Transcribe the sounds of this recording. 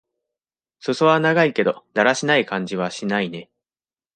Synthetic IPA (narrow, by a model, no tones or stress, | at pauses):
so̞so̞βanaɡaike̞d̪od̪̥aɾaɕinaikãɲ̟d͡ʑiβ̞aɕinaine̞